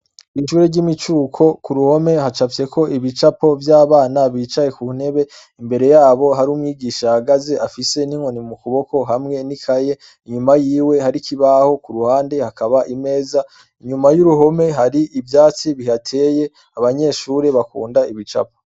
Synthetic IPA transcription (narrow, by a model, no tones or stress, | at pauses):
iʃuːɾeɟimit͡ʃuːkʰo̞kuɾuho̞me̞ɦat͡ʃafje̞kʰo̞ʔiβit͡ʃapo̞vjaːβaːnaβiːt͡ʃaje̞kun̥he̞βe̞ | imbe̞ɾe̞jaːβo̞ɦaɾumŋiːɡiːʃahaɡaze̞ʔafise̞niŋo̞nimukuβo̞ko̞ɦamŋe̞nikʰaje̞ | iɲumajiːwe̞haɾikʰiβaho̞kuɾuhaːnde̞hakaβaʔime̞ːza | iɲumajuɾuɦo̞me̞ɦaɾiʔivjaːt͡siβiɦatʰeːje̞ | aβaɲe̞ːʃuːɾe̞βakṵːndaiβit͡ʃa̰p̚o